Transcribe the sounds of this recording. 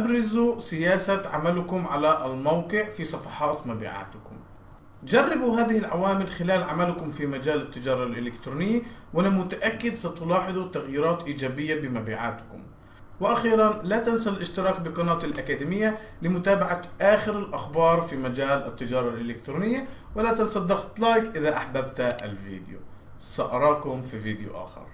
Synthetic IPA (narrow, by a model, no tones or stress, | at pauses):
ʔʔabɾˤɑzusɪjaːsaʕamalkʊmʕalaʔlmawqɨʕfisˤɑfɑħɑːt̪mabḭʕa̰ːt̪ɪkʊm | d͡ʒarˤːɪbuɦaːðɪhɪlʕawaːmɪlxɪlaːlʕamalkʊmfimad͡ʒaːlat̪ːɪd͡ʒɑːɾˤɑlʔɪlɪkt̪ɾuːnɪjːawʔanamʊt̪aʔakːɪd̪sat̪ʊlɑːħɨðˤut̪aɣjiːɾɑːt̪ʔiːd͡ʒaːbɪjːabɪmabḭːʕa̰ːt̪kʊm | wɪʔaxiːɾˤɑnlat̪ansallʔɪʃt̪ɪɾˤɑːk̚bɪqɑnɑːt̪ˤɪlʔakaːd̪ɪmɪjːa | lɪmʊt̪aːbaʕaʔaːxɪɾɪlʔaxbɑːɾˤfimad͡ʒaːlʔɪt̪ːɪd͡ʒɑːɾˤɑlʔɪlɪkt̪ɾuːnɪjːa | walat̪ansɑd̪ɑqt̪lɑːjkʔɪðaʔaħbabt̪ʔɪ̰lvḭːd̪ɪjṵ | saʔɑɾˤɑːkʊmfiviːd̪ɪjṵʔa̰ːxɪ̰ɾˤ